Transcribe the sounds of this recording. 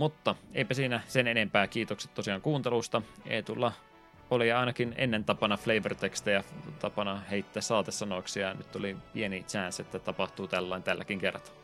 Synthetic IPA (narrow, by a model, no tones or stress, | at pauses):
mut̪ːɑeipæsiːnæsenenempæːkiːt̪okse̥t̪t̪ːosiɑːŋkuːnt̪elust̪ɑḛit̪ulːɑ | oliɑˑinɑkinḛnːent̪ɑpɑnɑfleiʋørt̪ekst̪æjɑt̪ɑpɑnɑheit̪ːæːssɑːt̪essɑnoiksijɑny̰t̪ːo̰lipienit͡ʃæːˑnset̪ːæt̪ɑpɑht̪uːt̪ælːɑint̪ælːæ̰kiŋkerːˑɑt̪ɑ̥